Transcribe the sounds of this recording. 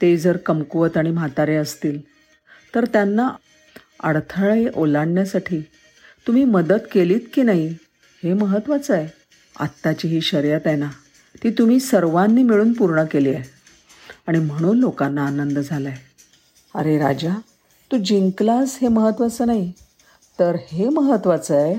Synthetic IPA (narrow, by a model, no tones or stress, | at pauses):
t̪ed͡zəɾkəmkuʋət̪aɽ̃im̤at̪aɾeəst̪iːl | t̪əɾt̪janːa | ə̰ɽt̪ʰəɭeʔolaɽɳjasaʈʰiː | t̪um̤iːməd̪ət̪keliːt̪kiːnaɦi | heməɦət̪ːʋat͡səj | a̰t̪ːat͡ɕiːɦiːɕəɾjat̪ena | t̪iːt̪um̤iːsəɾʋanːiːmiɭuːnpuɾɳəkelie | aɽ̃im̤əɽ̃uːnlokanːaːnənd̪əd͡zʱalaj | a̰ɾeɾa̰d͡ʑa | t̪uːd͡ʑiŋklasheməɦət̪ʋət͡səːnaɦi | t̪əɾheməɦət̪ːʋat͡səj